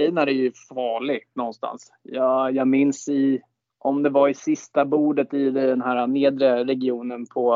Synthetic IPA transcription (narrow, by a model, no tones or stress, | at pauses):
ɛjnaɾɛɾjɵfɑːɭɪɡnɔnst̪a̰ns | jɑjɑːmɪnsɪ | ʔɔmd̪ɛvaɾɪsɪst̪abuːɖət̪ɪd̪d̪ɛnɦæːɾaneːd̪ɾəɾɛɡɪuːnənpʰɔ